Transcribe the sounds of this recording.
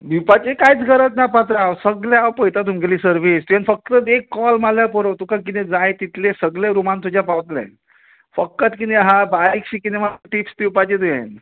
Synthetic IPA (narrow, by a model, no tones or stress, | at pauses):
bipat͡ɕekajt͡sɡʱəɾət̪napat̪̬ɾawsəɡljaawpəjt̪at̪umkeliːsəɾʋist̪ujenfək̚t̪əekːɔlmaljapəɾot̪ukak̬it̪ẽd͡zajt̪it̪lesəɡleɾumant̪ud͡ʑjapawt̪lḛ | fəkːət̪kit̪eɦabaɾikɕikinemaʈipsd̪iwpat͡ɕet̪ujẽn